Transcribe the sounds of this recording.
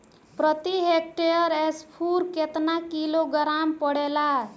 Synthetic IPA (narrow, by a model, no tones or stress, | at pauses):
pɾət̪iɦek̚ʈeəɾespʰuɾket̪nakiloɡəɾampəɽela